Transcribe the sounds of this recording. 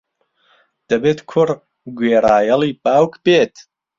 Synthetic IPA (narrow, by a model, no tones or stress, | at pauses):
d̪̥ɐbeːt̪kʰʊɾ | ɡweːɾaːjɐliːbaːwkʰbeːt̪